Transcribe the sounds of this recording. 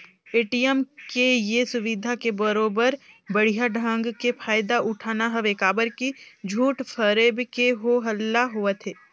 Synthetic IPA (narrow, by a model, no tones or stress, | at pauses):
eːʈijəmkejesʊʋɪd̪ʱakebəɾoːbəɾ | bəɽ̤ijaɖʱə̃ŋɡkepʰaːjd̪aʔʊʈʰaːnaɦəʋeːkaːbəɾkid͡ʒʱuːʈfʰəɾeːbkeɦoɦəlːaɦʊət̪ɦeː